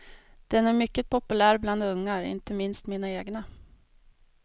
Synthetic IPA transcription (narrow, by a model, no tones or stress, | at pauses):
d̪̥ɛnæɾmʏkːət̪̚pʰɔpɵlæːɾbland̪ɵŋːaɾɪ̰nt̪əmɪnst̪miːnaeːɡna